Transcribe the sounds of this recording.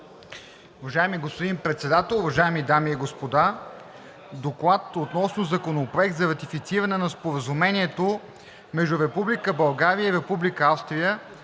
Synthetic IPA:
ʊvɐʒaɛmiɡospod̪inpɾɛt̪sɛd̪at̪ɛlˠʊvɐʒaɛmid̪amiːɡospod̪a | d̪oklˠat̪ot̪nɔsnozɐkonopɾoɛk̚t̪zɐɾɐt̪ifit̪siɾənɛnɐspoɾəzumɛniɛt̪o | mɛʒd̪ʊɾɛpublikəbɐlˠɡaɾiəiɾɛpublikəafst̪ɾijə

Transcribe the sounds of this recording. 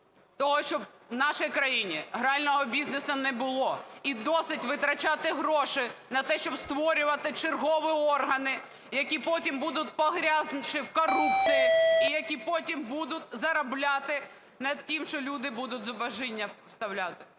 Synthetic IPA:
t̪ɔɦɔʃt͡ʃɔbnɑʃɐjkɾɐjinʲiɦɾɑlʲnɔɦɔbʲiznɪsɐnɛbʊlˠɔid̪ɔsɪtʲʋɪt̪ɾɐt͡ʃɑt̪ɪɦɾɔʃɪnɐt̪ɛʃt͡ʃɔbst̪ʋɔɾʲʊʋɐt̪ɪt͡ʃɪrɦɔʋɪɔrɦɐnɪ | jɐkʲipɔtʲimbud̪ʊt̚ʲpɔɦɾʲaznt͡ʃɪwkɔrupt͡sʲijiijɐkʲipɔtʲimbud̪ʊtʲzɐɾɐblʲat̪ɪ | nɐd̪̚tʲimʃt͡ʃɔlʲud̪ɪbud̪ʊtʲzɔbɐʒinʲːɐst̪ɐwlʲat̪ɪ̥

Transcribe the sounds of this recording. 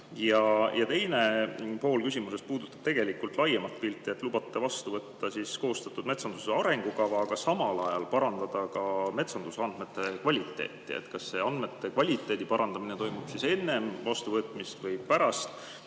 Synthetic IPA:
jɑjɑt̪e̞jne̞po̞ːlkysimuse̞spuːd̪̥ut̪ːˑɑ̥b̥t̪e̞ɡ̥e̞likːˑult̪ˑlɑjemɑt̪ːpilt̪ːˑiet̪ːˑlubɑt̪ːe̞vɑst̪uvɤt̪ːɑsisko̞ːst̪ɑt̪ːˑud̪̥me̞t̪sɑnd̪̥useɑɾe̞ŋɡ̥ukɑvɑkɑsɑmɑlɑjɑlpɑɾɑnd̪̥ɑd̪̥ɑkɑme̞t̪sɑnd̪̥useɑnd̪̥me̞t̪ːˑe̞kvɑlʲit̪ːˑe̞̰ːt̪ːˑiḛt̪kɑsːe̞ɑnd̪̥me̞t̪ːe̞kvɑlʲit̪ːˑe̞ːd̪̥ipɑɾɑnd̪̥ɑminet̪o̞jmub̥sise̞nːe̞mvɑst̪uvɤt̪ːˑmist̪vɤjpæɾɑst̪

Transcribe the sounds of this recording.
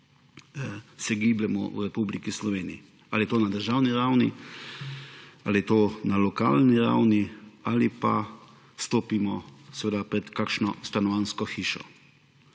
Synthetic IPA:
sɛɡiːblɛmɔ̰ṵɾɛpublikislɔʋeːniji | aliɛt̪oːnad̪əɾʒawniɾawnḭ | aliɛt̪oːnalɔka̰ːlniɾa̰wnialipa | st̪oːpimɔsɛʋed̪apɾɛt̪kakʃnɔ̰st̪anɔʋanskɔxiːʃɔ̰

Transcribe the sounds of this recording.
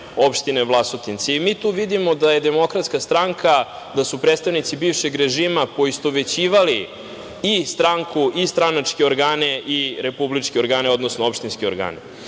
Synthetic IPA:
opʃt̪ineʋlˠasot̪int̪seimit̪uːʋid̪imo̞d̪aje̞d̪emo̞kɾat̪skast̪ɾaŋkʰa | d̪asupɾedt̪st̪aʋnit̪sibiːʋʃeɡɾeʒiːmapo̞ist̪oʋe̞t͡ɕiːʋali | ist̪ɾaŋkuʔist̪ɾanat͡ʂkeoɾɡaːneʔiɾe̞publit͡ʂkeo̞ɾɡaːneo̞d̪nosnoopʃt̪inskio̞ɾɡa̰ːne

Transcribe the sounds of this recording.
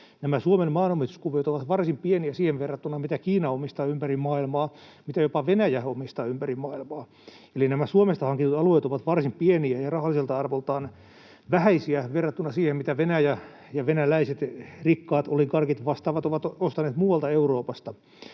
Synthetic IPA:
næmæsuomenmɑːnomist̪u̥skuʋiet̪oʋɑt̪ʋɑrsimpieniæsiːheʋʋerːɑt̪ːunɑmit̪ækiːnɑomist̪ɑːympærimmɑːilmɑː | mit̪æjopɑʋenæjæomist̪ɑːympærimɑːilmɑː | elinæmæsuomest̪ɑhɑŋkint̪ut̪ɑlueːt̪oʋɑt̪ʋɑrsimpieniæjɑrɑhɑlːˑiselt̪ɑɑrʋolt̪ɑːn | ʋæhæisiæʋerːɑt̪ːunɑsiːhemmit̪æʋenæjæ | jɑʋenælæiset̪rikːɑːt̪olikɑrkit̪ʋɑst̪ɑːʋɑt̪oʋɑt̪ost̪ɑneːt̪muːwɑlt̪ɑeuroːpɑst̪ɑ

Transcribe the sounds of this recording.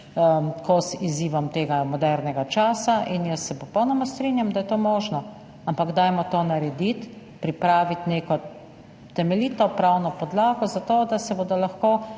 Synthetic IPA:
kʰosiziːʋɔmt̪eːɡamɔd̪ɛɾnɛɡat͡ʃaːsaʔinjəsːɛpɔpɔwnɔmast̪ɾinjamd̪ajɛt̪oːmɔːʒnɔ | ampaɡd̪aːjmɔt̪oːnaɾɛd̪it̪ | pɾipɾaːʋit̪neːkɔ | t̪ɛmɛliːt̪ɔpɾawnɔpɔd̪laːɡɔzat̪oːd̪asɛboːd̪ɔlaxkoː

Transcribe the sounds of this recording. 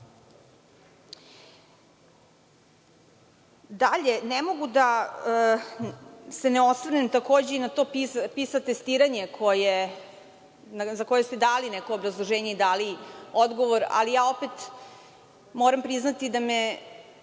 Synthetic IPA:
d̪aʎenemo̞ɡud̪a | se̞neo̞sʋɾnemt̪ako̞ːd͡ʑe̞inat̪o̞ːpipisat̪est̪iːɾaɲe̞kʰoje | zako̞jest̪ed̪aːlinɛko̞ːbɾazlˠoʒeːɲeid̪aːliod̪ɡo̞ʋoɾa̰lijaːo̞pet̪ | moɾampɾiznat̪id̪ame

